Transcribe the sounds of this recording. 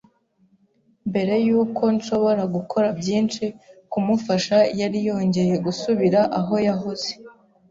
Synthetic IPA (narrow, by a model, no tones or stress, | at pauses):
mbe̞ɾe̞juːkʰo̞nʃo̞βo̞ɾaɡukʰo̞ɾabɟiːnt͡ʃikumufaʃajaɾijo̞ːɲɟe̞je̞ɡusuβiɾaʔaɦo̞jaɦoze